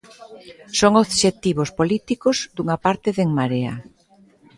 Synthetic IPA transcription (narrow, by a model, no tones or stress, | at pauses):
soŋoðʃet̪iβ̞ospolit̪ikozd̪uŋapaɾt̪ɪðeŋmaɾea̰